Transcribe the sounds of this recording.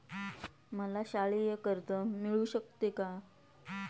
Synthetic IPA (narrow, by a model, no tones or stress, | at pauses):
məlaɕaɭijəkəɾt̪əmiɭuɕək̚t̪eka